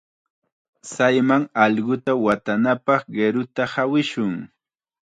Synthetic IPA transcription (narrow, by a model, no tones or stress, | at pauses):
sajmaŋɑʎɢʊt̪awat̪anapɑχɢeɾʊt̪ahawɪʃʊŋ